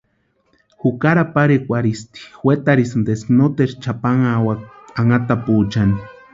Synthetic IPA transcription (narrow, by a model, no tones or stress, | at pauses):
xukaɾapaɾekʷaɾist̪i̥xwet̪aɾisnd̪esknot̪eɾt͡ʃapaŋawak | aŋat̪apuːt͡ʃani